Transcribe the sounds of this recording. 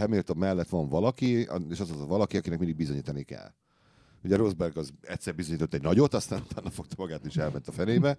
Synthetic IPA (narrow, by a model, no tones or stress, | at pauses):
ɛmilt̪o̞mːɛlːɛt̪ʋɒɱvɒlɒkḭeːʃɒzɒzt̪vɒlɒkiɒkinɛkmind̪iɡ̚bizo̞ɲiːt̪ɒnikɛ̰l | uɟɛɾozbɛrɡɒzɛctʲsɛrbizoɲiːt̪o̞t̪ːɛɟnɒɟo̞t̪ɒst̪aːnut̪aːnːɒfo̞k̚t̪ɒmɒɡaːt̪eːʃɛlmɛnt̪ɒfɛneːbɛ